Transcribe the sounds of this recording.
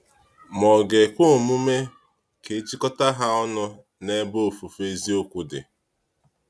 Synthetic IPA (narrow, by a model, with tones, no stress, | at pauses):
mɔ˨ɡe˨kʷo˦˨mu˦me˦ | ke˨˦t͡ʃi˦kɔ˦ta˦ɦa˦ɔ˦nʊ˦ | ne˦bo˦˨fu˨fe˨zi˦o˦kʷu˦dɪ̰˨